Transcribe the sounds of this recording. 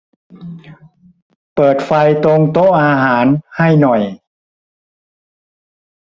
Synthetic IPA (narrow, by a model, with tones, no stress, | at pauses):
pɤː˨˩t̪̚fa˧jt̪o˧ŋt̪o˦˥ʔaː˧ɦaː˩˦nha˥˩jnɔ˨˩j